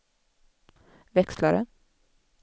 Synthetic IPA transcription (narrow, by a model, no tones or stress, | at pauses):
ʋɛkslaɾə